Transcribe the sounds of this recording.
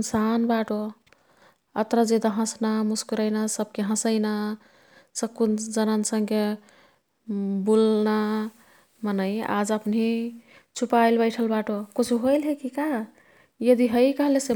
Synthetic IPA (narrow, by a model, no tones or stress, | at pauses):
nsanbaʈo | ət̪ɾəd͡ʒed̪aɦə̃snamuskuɾəɪnasəb̚keɦə̃səɪna | səkːund͡ʒənənsə̃ŋke | bulna | mənəja̰d͡ʒəpnɦi | t͡ʃʰupajlbəɪʈʰəlbaʈokut͡ʃʰuɦojlɦekika | jəd̪iɦəjkəɦlese